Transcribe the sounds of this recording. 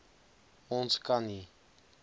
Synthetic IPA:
ɔnt͡sʰkani

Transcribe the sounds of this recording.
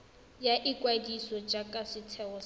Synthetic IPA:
jaʔikwaidisɔd͡ʒakʼasɪtʰɛɔs

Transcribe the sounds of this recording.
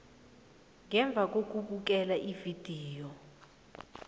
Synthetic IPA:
ŋɛɱb̪vʱak̬ʼok̬ʼuɓuk̬ɛlaʔivid̥ʱiːjɔ

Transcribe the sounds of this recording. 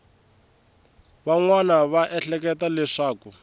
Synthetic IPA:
βaŋwanaβaʔɛɬɛk̬ɛtalɛʂaːku

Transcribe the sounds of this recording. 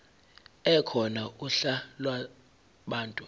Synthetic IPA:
ɛkʰɔnaʔuɬalwa | ɓaːntʼu

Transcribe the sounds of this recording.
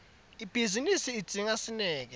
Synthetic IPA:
ib̥ʱizinisiːd̥z̥ʱiŋasinɛːk̬ɛ

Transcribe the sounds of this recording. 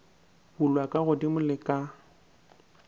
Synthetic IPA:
bʊlwakʼaɣʊdimʊlɪkʼa

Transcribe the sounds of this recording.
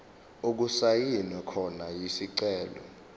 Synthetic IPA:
uk̬usajinwɛkʰɔnajisiǀɛːlɔ̰

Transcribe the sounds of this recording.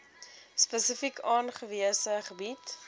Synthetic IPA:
spəsəfikʰɑːnχəviəsəχəbit

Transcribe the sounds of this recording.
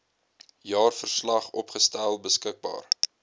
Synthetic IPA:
jɑːrfərslɐχɔpχəstælˠbəskək̚bɑ̰ːr

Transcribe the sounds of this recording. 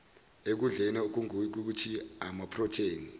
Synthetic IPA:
ek̬uɮɛnɛok̬uŋk̬uk̬utʰiamapʰrɔtʰeːni

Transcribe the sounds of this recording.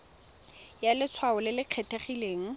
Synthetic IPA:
jalɪt͡sʰwaʊlɪlɪq͡χʰɛtʰeχileːŋ̩

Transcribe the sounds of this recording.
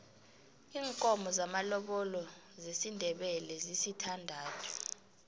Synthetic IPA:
iːŋkʼɔmɔzamalɔɓɔlɔ | zesindʱɛɓɛlɛzisitʰandʱaːtʰu̥

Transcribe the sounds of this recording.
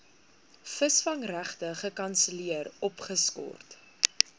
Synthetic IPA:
fəsfɐŋræχtəχəkɐnsəliəɾɔpχəskɔ̰rt

